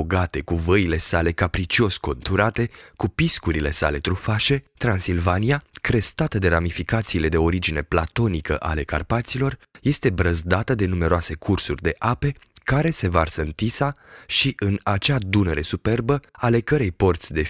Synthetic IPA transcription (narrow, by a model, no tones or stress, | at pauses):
oɡat̪e̞kuvəile̞sale̞kapɾit͡ʃio̞ʃʲko̞nt̪uɾat̪e̞kupiskuɾile̞sa̰le̞t̪ɾufaʃe̞t̪ɾansilvanijakɾe̞st̪at̪əd̪e̞ɾamifikat̪siːle̞d̪e̞o̞ɾid͡ʒine̞plat̪o̞nikəʔa̰le̞ka̰rpat̪silo̞rje̞st̪ebɾəzd̪at̪əd̪e̞nume̞ɾoase̞kʰursurʲd̪e̞ʔape̞ | kaɾe̞se̞varsəɨnt̪isaʃiʔɨnat͡ʃad̪unəɾe̞supe̞rbəale̞kəɾe̞jpo̞rt̪sʲd̪e̞